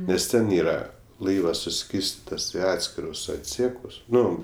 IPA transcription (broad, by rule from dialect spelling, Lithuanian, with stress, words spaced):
nʲɛs ˈtʲɛn ˈiːrɐ ˈlˠɐɪʋɐs sʊˈsʲkʲiːrʲsʲtʲɪtɐs ɪ ˈɑːtʲsʲkʲɪrʊs ɐtʲˈsʲiɛkʊs ˈnʊ